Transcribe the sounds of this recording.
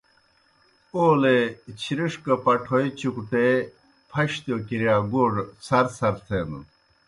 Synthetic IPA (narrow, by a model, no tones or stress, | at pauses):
oːlet͡ɕʰiɾiʂkɐpɐʈʰoit͡ɕukuʈe | pʰɐɕt̪jokiɾijaːɡoːʐsɐɾsɐɾt̪ʰenṵ